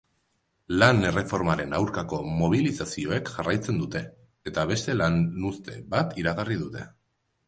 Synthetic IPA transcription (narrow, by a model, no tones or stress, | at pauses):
lane̞re̞fo̞ɾmaɾe̞nawɾkako̞mo̞β̞ilisasio̞e̞kʝarajt͡se̞nd̪ut̪e̞ː | t̪aβ̞e̞st̪e̞lanust̪e̞βat̪iɾaɣariðut̪e̞